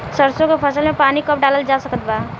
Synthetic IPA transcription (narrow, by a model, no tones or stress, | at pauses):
səɾsõkepʰəsəlmepanikəp̚ʰɖaləld͡ʒasəkət̪ba